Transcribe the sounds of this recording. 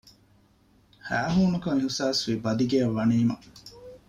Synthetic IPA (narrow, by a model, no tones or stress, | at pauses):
hæːɦuːnukɐŋiɦusaːsʋibɐd̪iɡeɐʋːɐniːmɐ